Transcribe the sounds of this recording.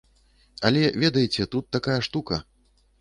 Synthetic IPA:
ɐlʲɛvʲɛd̪ɐjt͡sʲɛt̪ut̪ːakajɐʂt̪ukɐ

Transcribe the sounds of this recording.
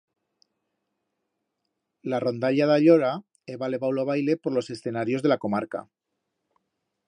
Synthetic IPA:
laro̞nd̪aʎaðaʎoɾa | eβale̞βawloaβ̞ajle̞poɾlo̞se̞sθe̞naɾjo̞zðe̞lako̞maɾka̰

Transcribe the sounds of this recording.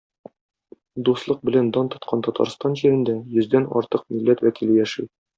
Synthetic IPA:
d̪uslˠɤq̚bɘ̆lænd̪ɑnt̪ŏt̪qʰɑnt̪ɒt̪ɑ̰ɾst̪ɑnʑiɾɘ̆nd̪æjɵ̆zd̪ænɒ̰ɾt̪ɤq̚milːæt̪wækilɘjæʃɘ

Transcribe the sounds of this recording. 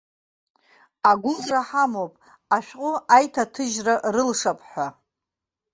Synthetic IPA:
aɡʷʊzraħamopʼ | aʃᶣqʼʊajtʰatʰɨʒrarɨlʂapʰʼħʷa

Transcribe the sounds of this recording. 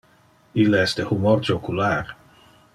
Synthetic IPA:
ilɛsd̪ehumort͡ʃokular

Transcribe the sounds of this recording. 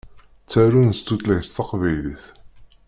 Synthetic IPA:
t͡sːæɾunəst̪ːut̪læçθθɑqvæjliθ

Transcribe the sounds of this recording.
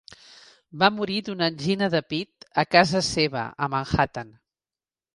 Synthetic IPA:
bamuɾiðunənʲʒinəðəpit̪əkazəseβ̞ə̰əməŋxat̪an

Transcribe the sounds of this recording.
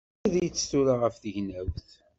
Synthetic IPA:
æðæjət͡sːθuɾaʁəfθəʝnæwθ

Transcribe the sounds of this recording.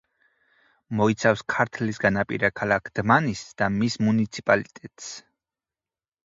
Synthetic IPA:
mɔit̪sʰafskʰaɾt̪ʰlisɡanapʼḭɾakʰalakʰd̪̥manisd̪̥amismunit̪sʰipʼalit̪ʼɛt̪ʼs

